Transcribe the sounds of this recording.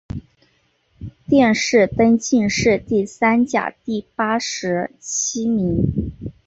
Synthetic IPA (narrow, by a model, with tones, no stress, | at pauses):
t̪jɛ˥˧nʂɻ̩˥˩t̪ə˥nt͡ɕi˥˧nʂɻ̩˥˧t̪i˥˩sa˥nt͡ɕja̰˨˩t̪i˥˩pa˥ʂɻ̩˧˥t͡ɕʰi˥mi˧˥ŋ